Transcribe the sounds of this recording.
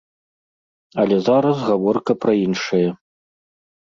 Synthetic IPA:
ɐlʲɛzaɾɐsɣavɔrkɐpɾɐinʂɐjɐ

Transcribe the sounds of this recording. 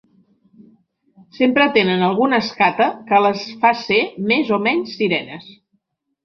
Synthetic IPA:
sempɾət̪enənəlˠɣ̞unəskat̪əkələsfasemezomɛɲsːiɾɛnəs

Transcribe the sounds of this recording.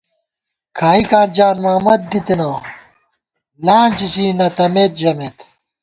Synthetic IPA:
kʰaːikaːnd͡ʑaːnmaːmɐt̪̚d̪it̪enɐ | laːnʲt͡ɕit͡ɕiːnɐt̪ɐmeːt̪̚d͡ʑɐmeːt̪

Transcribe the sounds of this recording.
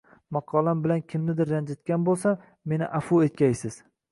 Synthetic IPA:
mɑqʰɒlambɪlankʲʰɪmnɪd̪ɪɾːand͡ʒɪt̪̚kʲanbolˠsa | me̞nɪ̰ʔafuet̪̚kʲʰajsɪz̥

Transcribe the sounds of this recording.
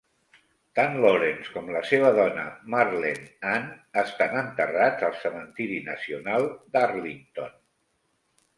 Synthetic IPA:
t̪anloɾenskɔmləseβəðɔnə̰maɾlenanəst̪anənt̪ərad͡zəlˠsəmənt̪iɾinəsiunalˠd̪arlint̪on

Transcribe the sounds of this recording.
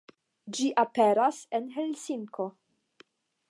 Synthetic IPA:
d͡ʒiʔapeɾasenɦelsiŋko̞

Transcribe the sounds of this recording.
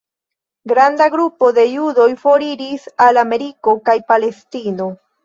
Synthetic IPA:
ɡɾandaɡɾupo̞d̪e̞judo̞jfo̞ɾiɾisalame̞ɾiko̞kajpale̞stino̞

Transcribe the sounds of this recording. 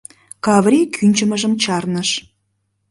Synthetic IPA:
kɑvrʲikʰynʲt͡ɕəməʒəmt͡ɕɑrnəʃ

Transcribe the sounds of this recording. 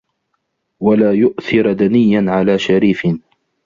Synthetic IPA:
walaːjʊʔθɪɾd̪anɪjːanʕalaːʃaɾiːfɪn

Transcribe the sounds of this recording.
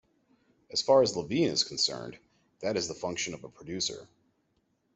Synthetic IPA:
ɨz̥fɑɹɨzləvĩnɨ̰z̥kʰn̩sɜ̰̃˞n | ðɨɾɨzðəfʌ̃ŋkʃɨ̃nʌvəpʰɹ̥ɨdʉsə̰˞

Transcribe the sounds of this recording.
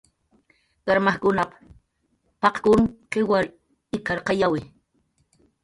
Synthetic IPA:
ɢ̥aɾmahkʊnap | pɑqkʊŋqewaɾ | ɪkaɾqɑjawɪ

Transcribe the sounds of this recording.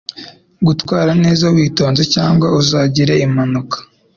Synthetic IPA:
ɡutwaːɾane̞ːzawiːto̞ːnze̞caːŋɡwauzaːɟiɾeimanukʰḁ

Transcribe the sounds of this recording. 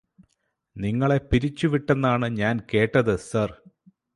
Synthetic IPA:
niŋːɐɭe̞piɾit͡ɕːuʋiʈːenːaːɳɨɲaːnke̞ːʈːɐðɨsɐr

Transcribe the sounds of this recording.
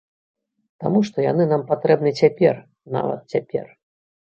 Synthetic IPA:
t̪amuʂt̪ɔjanɨnampat̪ɾɛbnɨt͡sʲapʲɛr | na̰vɐ̰t̪̚t͡sʲapʲɛ̰r

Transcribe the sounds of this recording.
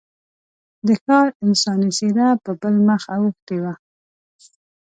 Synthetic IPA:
d̪əkɑɾɪnsɑnɪsed̪apəbəlməxawəxt̪ewa

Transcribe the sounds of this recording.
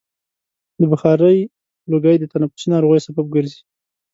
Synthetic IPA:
d̪əbaxɑɾəj | loɡəjd̪ət̪anafʊ̥sinɑɾoɣajsabab̚ɡəɾzi

